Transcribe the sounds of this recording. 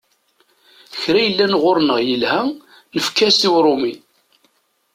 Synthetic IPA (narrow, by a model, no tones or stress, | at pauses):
çɾæjəlːænʁʊɾnəʁjəlhæ | nəfkæsiwɾˤʊmi